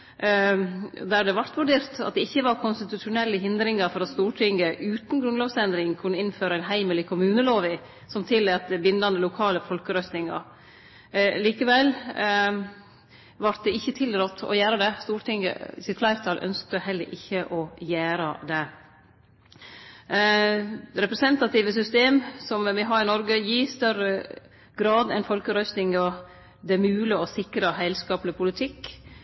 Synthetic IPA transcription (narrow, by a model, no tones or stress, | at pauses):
d̪æɖɛʋɑɾt̪ʋʉɖeːɾt̪ɑ̰t̪̚d̪ɛɪçːəʋɑɾkʰʊnst̪ɪt̪ʉʂʊnɛlːəɦɪnd̪ɾɪŋɑɾfɔɾɑt̪st̪uːʈʰɪŋɡəʔʉːt̪n̩ɡɾʉnloːʋsɛnd̪ɾɪŋkʰʉnːəɪnføːɾəæɪnɦæɪməlɪkʰʊmʉːnəloːʋɪ | sɔmt̪ʰɪlːɛɑt̪̚d̪ɛbɪnd̪ɑnəlʊkʰɑːləfɔlkəɾœst̪nɪŋɑ̰ɾ | liːkəʋɛl | ʋɑɾt̪̚d̪ɛɪçːət̪ʰɪlɾɔt̪ʰːɔ̰jæːɾəd̪ɛst̪uːɾt̪ʰɪŋə̰ɪ̰sɪt̪kʰlæɪɾt̪ʰɑlʔœ̰nsk̚t̪əhɛlːə̰ɾʔɪçːəʔɔjæːɾəd̪ɛ | ɾɛpɾɛsɛnt̪ɑt̪iːʋəsʏst̪eːmsɔmʋɪɦɑɾɪnɔɾɡəjiːst̪œɾə | ɡɾɑːd̪ɛnfɔlkəɾœst̪nɪŋə | d̪ɛmʉːləɔsɪkɾəɦæɪlskɑːplɪpʰʊlɪt̪ʰɪkː